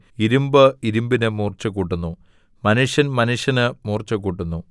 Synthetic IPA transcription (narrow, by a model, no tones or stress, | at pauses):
iɾumbɨiɾumbinɨmuːrt͡ɕːɐkuːʈːunːu | mɐnuʂjɐnmɐnuʂjɐnɨmuːrt͡ɕːɐkuːʈːunːu